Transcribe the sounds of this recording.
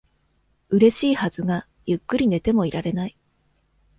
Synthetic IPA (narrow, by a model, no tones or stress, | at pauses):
ɯ̟ɾe̞ɕiːhazɨɡa | jɯ̟kːɯɾʲine̞t̪e̞mo̞iɾaɾe̞nai